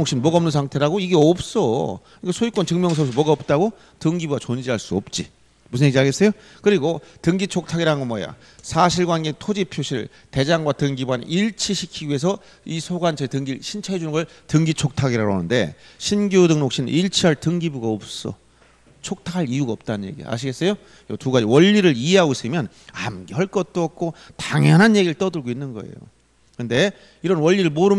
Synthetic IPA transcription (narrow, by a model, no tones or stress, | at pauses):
okɕ͈inmwʌɡaʌmnɯnsʰaŋtʰe̞ɾaɡoiɡe̞ʌp̚s͈ʌɯk͈asʰoik͈ʌnt͡ɕɯŋmjʌŋs̬ʰʌs̬ʰʌmwʌɡaʌp̚t͈aɡo | tɯŋɡibuɡat͡ɕond͡ʑiɦaɭs͈uʌp̚t͡ɕ͈i | musʰɯnɲeɡd͡ʑiaɡe̞s͈ejo | kɯɾiɡotɯŋɡit͡ɕʰok̚tʰaɡiɾaɡomwoaḛja̰ | sʰaɕʰiɭɡwanɡeŋtʰod͡ʑipʰjoɕʰiɭ | te̞d͡ʑaŋɡwatɯŋɡibuwanʔiɭt͡ɕʰiɕʰikʰiɡie̞s̬ʰʌ | isʰoɡwant͡ɕʰʌitɯŋɡiɕʰint͡ɕʰʌɦe̞d͡ʑunɯnɡʌɭtɯŋɡit͡ɕʰok̚tʰaɡiɾaɾoɦa̰nɯnde̞̰ɕʰinɡjudɯŋnok̚ɕ͈inɯnʔiɭt͡ɕʰiɦaɭtɯŋɡibuɡaʌp̚s͈ʌ̰ | t͡ɕʰok̚tʰakʰaɾijuɡaʌp̚t͈anɯnje̞̰ɡḭa̰ɕ̬ʰiɡe̞s͈ʌjo | iʌtuɡad͡ʑiwʌʎːiɾɯɭiɦe̞ɦaɡos͈ɯmjʌn | amɡeɦʌɭk͈ʌt̚t͈oʌk̚k͈otaŋjʌnɦanje̞ɡiɾɯɭt͈ʌdɯɭɡoinːɯnɡʌḛjo̰ | kɯnde̞ | iɾʌnwʌʎːiɾɯɭmoɾɯm